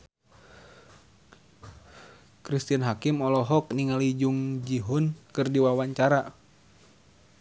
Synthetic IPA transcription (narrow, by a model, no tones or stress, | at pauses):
kɾist̪ianɦakimɔlɔɦɔk̚niŋalid͡ʒuŋd͡ʒiɦɔnkɨrdiwawaɲt͡ʃaɾa